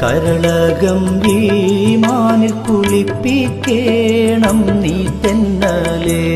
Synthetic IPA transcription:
kɐɾɐɭɐɣɐmʋimaːnɪɾkʊɭipːikːeːɳɐmniːt̪ːɛnːɐleː

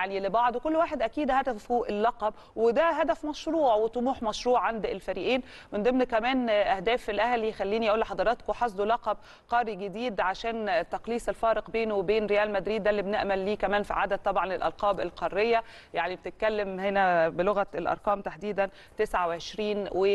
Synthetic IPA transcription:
jaʕnilebɑʕd̪ˤokolːwaːħed̪ʔækiːd̪hæd̪æfuʔelːɑqɑb | wed̪æɦæd̪æfmæʃɾuːʕwet̪ˤomuːħmɑʃɾuːʕːand̪elfæɾiːʔiːnmɪnd̪ˤemnkæmæːnʔæhd̪æːfelʔæhlixælːiːnijʔuːlːħɑd̪ˤɑɾˤɑt̪kowħɑsˤd̪olɑqɑb̚ | qɑːɾˤiɡed̪iːd̪ʕaʃæːnt̪ːæqliːsˤelfæːɾɪqbeːnowebeːnɾejæːlmæd̪ɾiːd̪ːælːibneʔmælːiːkæmæːnfḭʕad̪æd̪̚t̪ːˤɑbʕɑnelʔɑ̰lqɑːbelqɑrːejːæ | jaʕnibet̪et̪̚kælːemhenæbeloɣæelʔɑ̰ɾˤqɑːmt̪aħd̪iːd̪æn | t̪esʕaweʕeʃɾiːnwe

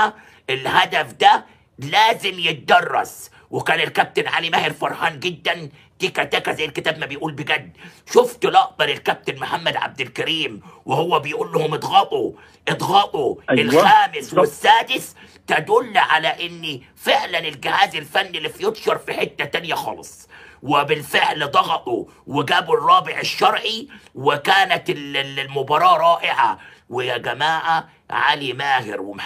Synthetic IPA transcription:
ʔɪlhad̪afd̪æ | laːzɪmjɪt̪̚d̪ɑrˤːɑ̰s | wɪkaːnɪlkæp̚t̪ɪnʕa̰limahɪɾfɑɾˤħaːnɡɪd̪ːan | t̪iːkæt̪akazajːɪlkɪt̪aːbmabɪjʔuːlbɪɡæd̪ːʃʊft̪lɑʔd̪ˤɑɾɪlkæb̚t̪ɪnmʊħamːad̪ʕa̰b̚d̪ɪlkaɾiːmwɪhʊwːæbɪjʔuːlːʊhʊmɨd̪ˤɣɑbu | ʔɪd̪ˤɣɑbuɪlxaːmɪswɪsːaːd̪ɪst̪ad̪ʊlːʕalaʔɪnːi | fɪʕlanɪlɡɪhaːzɪlfanːilːifijʊt̪ˤʃɑɾˤfiħɪt̪ːat̪anjaxɑ̰ːlɑ̰sˤwɪbɪlfɪʕld̪ˤɑɣɑt̪ˤu | wɪɡaːbrˤːɑːbɪʕɪʃːɑɾˤʕiwɪkaːnat̪ɪllmʊbɑɾˤɑːɾˤɑːʔɪʕa̰ | wɪjaɡamaːʕa | ʕa̰limaːhɪ̰ɾwɪm

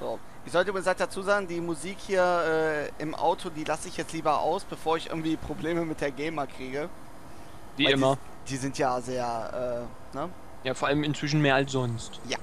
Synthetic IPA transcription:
z̥o̰ː | ʔɪçz̥ɔltəmisatd̥at͡suːzaːɡŋ̩diːmuziːkhiːɐʔɛːʔɪmʔa̰ʊtʰodiːlasəɪçjɛt͡stliːbɐʔa̰ʊsb̥əfoːɐɪçʔɪ̰ɐɡŋ̩tv̥iːpʁ̥obleːməmɪt̚d̥eːɐɡɛɪmɐkʁ̥iːɡə | viːaɪmɐ | d̥iːzɪntjaːzeːɐʔɛː | nə | jaːfoːɐʔaləmɪnt͡sv̥ɪʃn̩meːɐals̬z̥ɔnstja

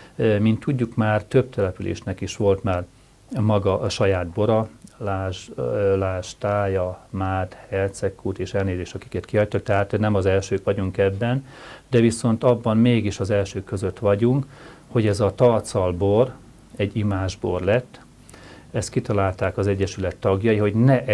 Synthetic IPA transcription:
mint̪ːuɟːukmaːrt̪ø̞b̚t̪ɛlɛpylʔḛːʃnɛkiʃʋo̞lt̪maːr | mɒɡɒʔʃɒjaːd̪̚bo̞ɾɒlaʒlaːʃt̪aːjɒmaːd̪hɛlt̪sɛkʰːuːt̪eːʃɛlneːzeːʃt̪ɒki̥kɛt̪kiɦɒc̚t̪ɒk̚t̪ɛɦaːt̪nɛmɒzɛlʃøːkʋɒɟuŋkɛbːɛn | d̪ɛviso̞nt̪ɒbːɒmmeːɡiʃɒzɛlʃøːkːøzø̞t̪ʋɒɟuŋk | ho̞ɟɛzɒt̪ɒrt̪sɒlbor | ɛɟːimaːʒborlɛt̪ː | ɛst̪kit̪ɒlaːlt̪aːkɒzɛɟːɛʃylɛt̪ːɒɡjɒjiɦo̞ɟnɛʔ

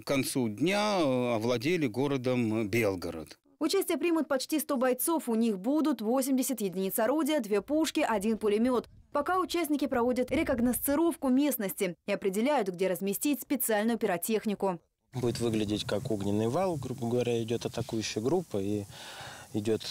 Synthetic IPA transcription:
kɐnt̪sudʲnʲaɐvlˠɐdʲelʲɪɡo̞ɾəd̪əmbʲelˠɡəɾə̰t̪ | ʊt͡ɕæsʲtʲɪjəpɾʲimʊt̪̚pɐt͡ɕtʲist̪o̞bɐjt̪so̞fʊnʲixbud̪ʊt̪vo̞sʲɪmʲdʲɪsʲət̪jɪdʲɪnʲit̪sɐɾodʲɪjəd̪vʲe̞puʂkʲɪʔɐdʲinpʊlʲɪmʲo̞t̪pɐkaʊt͡ɕæsʲnʲɪkʲɪpɾɐvodʲət̪ɾʲɪkɐɡnəst̪sɨɾo̞fkʊmʲe̞snəsʲtʲɪɪɐpɾʲɪdʲɪlʲæjʊt̪ɡdʲe̞ɾəzmʲɪsʲtʲitʲspʲɪt̪sɨalʲnʊjʊpʲɪɾɐtʲe̞xnʲɪkʊ | budʲɪt̪vɨɡlʲɪdʲɪtʲkakuɡnʲɪnːɨjvalˠɡɾubəɡəvɐɾʲaɪdʲo̞t̪ɐt̪ɐkujʉɕːɪjəɡɾupːəi | ɪdʲo̞t̪

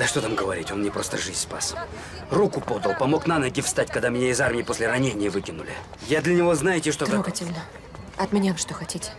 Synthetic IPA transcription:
d̪əʂt̪o̞t̪amɡəvɐɾʲitʲo̞nnʲɪpɾo̞st̪ə̰ʐɨzʲspa̰sə | rukʊpo̞d̪əlˠpɐmo̞knanəɡʲɪfst̪atʲkɐɡd̪amʲɪnʲaɪzarmʲɪjɪpo̞sʲlʲɪrɐnʲenʲɪjəvɨkʲɪnʊ̰lʲɪ̰ | jad̪lʲɐnʲɪvo̞znajɪtʲɪʂt̪o̞t̪ɾkoɡətʲɪlʲnə | ɐt̪mʲɪnʲavʂt̪oxɐtʲitʲɪ̥

